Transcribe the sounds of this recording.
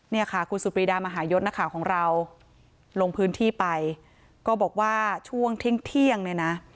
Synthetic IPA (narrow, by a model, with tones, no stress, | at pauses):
ni˥˩ɐkʰa˥˩kʰu˧nsu˨˩pɾiː˧daː˧maː˧ɦaː˩˦jo˦˥t̪̚na˦˥kʰaː˩˦wkʰɔː˩˦ŋɾa˧w | lo˧ŋpʰɯː˦˥nt̪ʰiː˥˩pa˧j | kɔː˥˩bɔː˨˩k̚waː˥˩t͡ɕʰu˥˩əŋt̪ʰi˦˥˩ŋt̪ʰi˥˩əŋnɯ˥˩˨na˦˥